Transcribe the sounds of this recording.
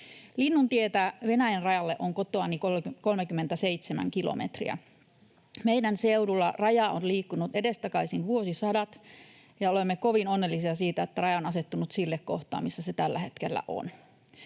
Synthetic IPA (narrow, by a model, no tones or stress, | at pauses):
linːunt̪iet̪æʋe̞næjenrɑjɑlːeʔoŋkot̪oɑnikoko̞lmekymːent̪æse̞it̪semæ̰ŋkilo̰mʔet̪rḭæ̰ | meidænseudulːɑrɑjɑonliːkːunut̪edest̪ɑkɑisinʋuo̞sisɑdɑt̪ | jɑolemːekoʋinonːelːisiɑsiːt̪æet̪ːærɑjɑonɑset̪ːunut̪silːekko̰ht̪ɑ̰ːmisːæset̪ælːæhet̪kelːæ̰ʔo̰n